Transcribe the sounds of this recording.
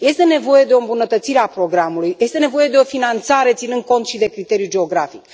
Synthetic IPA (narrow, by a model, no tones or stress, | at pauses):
je̞st̪e̞ne̞vo̞je̞d̪eombunət̪ət̪siɾe̞apɾo̞ɡɾamulujje̞st̪e̞ne̞vo̞je̞d̪e̞o̞finant̪saɾe̞t̪sinɨnd̪̚ko̞nt̪ʃid̪e̞kɾit̪e̞ɾijud͡ʒe̞o̞ɡɾafik